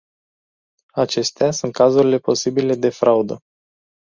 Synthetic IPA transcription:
at͡ʃe̞st̪easunt̪̚kazuɾile̞po̞sibile̞d̪e̞fɾʔaud̪ə

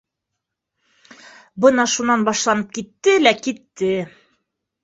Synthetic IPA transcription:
bɤnɑʃunɑnbɑʃlˠɑnɤp̚kit̪ːɘlækit̪ːɘ

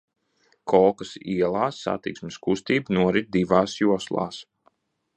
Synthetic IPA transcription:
kʰɔlˠkasiɛlˠaːsːa̰t̪iksmɪskust̪iːbnuɔɾid̪̚d̪ivaːsjuɔslˠa̰ːs

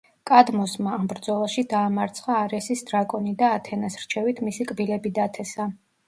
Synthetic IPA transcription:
kʼad̪mɔsmaːmbɾd̪zɔlˠaʃid̪aːmaɾt̪sʰχaːɾɛsisd̪ɾakʼɔnid̪aːt̪ʰɛnasɾt͡ʃʰɛvit̪ʰmisikʼbilɛbid̪at̪ʰɛsa

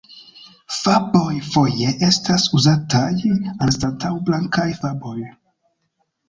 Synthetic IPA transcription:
fabo̞jfo̞jeʔe̞stasuzatajanstantʰawblaŋkajfabo̞j

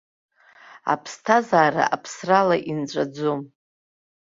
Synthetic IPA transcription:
a̰pʰstʰazaːɾa̰ʔapʰsralaʔint͡ʃʷʼad͡zom

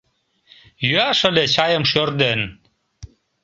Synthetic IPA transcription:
jyæʃə̆let͡ɕɑjə̆mʃørd̪en

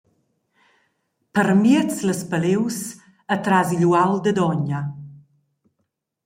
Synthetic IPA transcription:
pəɾmiət͡sləspəlews | ət̪ɾaziʎuawd̪əd̪ɔɲa

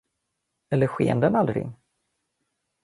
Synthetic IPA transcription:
ɛlːəɾɧḛːnd̪ənald̪ɾɪ̰ŋ

